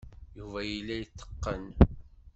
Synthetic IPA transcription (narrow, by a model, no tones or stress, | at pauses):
juvæjəlːæjət̪ːə̥qːən